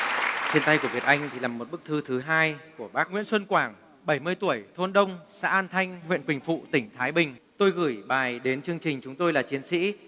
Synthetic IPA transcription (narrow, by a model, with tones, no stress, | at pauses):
t͡ɕe˧nt̪a˧jku˧˩əvi˨˩ət̚ʔa˧jŋ̟t̪ʰi˨˩laː˨˩mːo˨˩t̚ɓɨ˦˥k̚t̪ʰɨ˨˦t̪ʰɨ˨˦ɦaː˧jku˧˩əɓaː˦˥k̚ŋwḭ˧˥ənswə˧nkwaː˧˩ŋ | ɓə˧˩jmɨ˧jt̪u˧˩əjt̪ʰo˧nɗə˧wŋ͡msa̰ː˧˥ʔaː˧nt̪ʰa˧jŋ̟ŋwḭ˧˨ənkwï˨˩ŋ̟fṵ˧˨t̪ï˧˩ŋ̟t̪ʰaː˨˦jɓï˨˩ŋ̟t̪o˧jɣɨ˧˩jɓaː˨˩jɗe˨˦nt͡ɕɨ˧əŋt͡ɕï˨˩ŋ̟t͡ɕʊ˨˦ŋ͡mt̪o˧jlaː˨˩t͡ɕi˨˦ənsḭ˧˥